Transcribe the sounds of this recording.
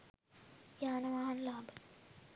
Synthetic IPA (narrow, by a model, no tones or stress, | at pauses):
jaːnɐʋaːɦɐnlaːbə